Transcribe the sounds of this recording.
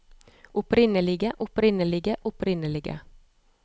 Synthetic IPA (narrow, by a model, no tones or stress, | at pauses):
ʔʊpʰɾɪnəlɪɡəʔʊpɾɪnəlɪɡəʔʊpɾɪnəlɪɡə̰